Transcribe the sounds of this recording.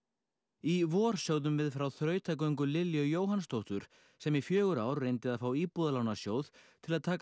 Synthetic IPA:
ivɔːɾ̥sjoːwðʏmvɪðfɾawθɾœːɥt̪ʰak̬ojŋkʏlɪljœjoːwɦanst̪ʰowht̪ʏɾ̥ | sɛmifjœːɣʏɾaːwɾrejnt̪ɪðaðfaːwiːpuðalaːwnasjoːwðt̪ʰɪlaðt̪ʰaːk

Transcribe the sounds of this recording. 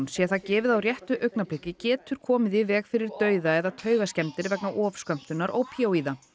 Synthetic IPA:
nsjɛθacɛːvɪðawrjɛht̪ʏʔœɥknapʰlɪhcɪcɛːt̪ʏɾ̥kʰɔːmɪðɪvɛːɣfɪɾɪɾt̪œːɥðaɛðat̪ʰœːɥɣascɛmt̪ɪɾvɛknaʔɔfskœm̥t̪ʏnːaɾʔo̰wpʰiowiːða

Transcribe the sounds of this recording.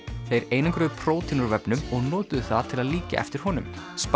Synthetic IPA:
θejɾeːjnaŋkɾʏðpʰɾoːwt̪ʰinuɾvɛpnʏmɔɣnɔːt̪ʏðʏθaðt̪ʰɪlaðliːca̰ɛ̰ft̪ɪɾ̥hɔnʏm | sp

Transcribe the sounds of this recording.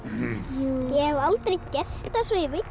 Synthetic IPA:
jɛhɛvalt̪ɾejcɛr̥t̪asvɔivɪt̪

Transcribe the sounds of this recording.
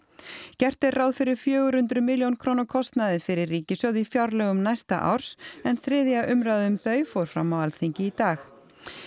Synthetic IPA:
cɛr̥t̪ɪɾrawðfɪɾɪɾ̥fjœːɣʏɾ̥hʏnt̪ɾʏmɪljownkʰɾownakʰɔst̪naðɪfɪɾɪrːiːcɪsœwðɪifjawɾlœɣʏmnajst̪a̰ʔa̰wɾ̥sɛnθɾɪːðjaʔʏmɾawðɪʏmθœːɥfɔwɾ̥fɾa̰mːawalθiɲcɪit̪aːx

